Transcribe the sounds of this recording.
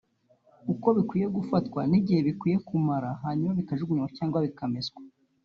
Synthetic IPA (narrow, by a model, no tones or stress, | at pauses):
uko̞βikwiːje̞ɡufatkwa̰niɟihe̞βikwiːje̞kumaɾaɦaːɲumaβikaʒuɡuɲumacaːŋɡwaβikamezɡwḁ